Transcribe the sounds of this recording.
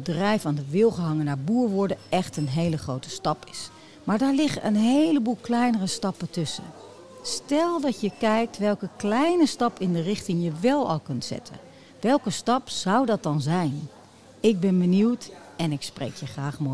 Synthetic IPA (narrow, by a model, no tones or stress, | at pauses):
ədrɛjfaːndəʋɪlˠχəɦɑŋənaːɹbuːɹʋʊɹdəɛχtənɦejləχrowtə̥stɑpɪs | maːɹdaːɹlɪχəʔə̰nɦejləbuːlˠklɛjnərəstɑpətɵsə̰ | stɛlˠdɑtjəkɛjk̚tʋɛlˠkəklɛjnəstɑpɪndərɪχtɪŋjəʋɛlˠɑ̰lˠkɵntsɛ̰tʰə̰n | ʋɛlˠkəstɑpzɑwdɑt̚dɑnzɛjn | ɪɡ̚bɛnbəniwt | ɛnɪksprḛjkʰjəχraːχmo